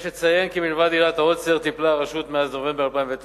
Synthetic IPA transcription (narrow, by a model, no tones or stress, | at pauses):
ʃet͡sajenkimilvad̪ilat̪aoseʁt̪iplaːʁaʃut̪meaznove̞mbealpaiɱvet̪